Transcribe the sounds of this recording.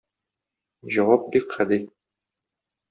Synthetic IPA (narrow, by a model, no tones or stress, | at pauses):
ʑɒwɑp̚bikχæd̪ɘ